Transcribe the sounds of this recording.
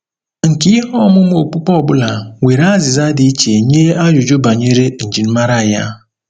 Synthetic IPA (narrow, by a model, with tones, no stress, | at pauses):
ŋ̩˨kɪ˦i˦ɦɔ˦˨mʊ˦m˦o˨k͡pu˦k͡pɔ˦˨bʊ˦la˨we˨ɾa˦zɪ˨za˦di˦t͡ʃe˨ɲe˦a˦d͡ʒʊ˨d͡ʒʊ˦ba˨ɲe˦ɾe˦n̩˨d͡ʒi˨n̩˦ma˦ɾa˦˨ja̰˦